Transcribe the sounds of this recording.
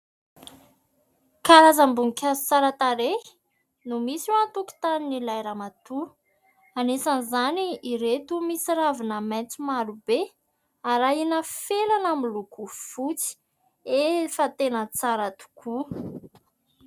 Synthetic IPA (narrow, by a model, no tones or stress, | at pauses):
kaɾazambuŋkʲḁt͡saɾat̪aɾe̥ | numisuant̪uku̥t̪aninilajɾamat̪u | anesanizaniːɾet̪umisiɾavinəmajnt͡simaɾube | aɾainəfelanamilukufut͡si̥ | efət̪enət͡saɾat̪u̥kʰu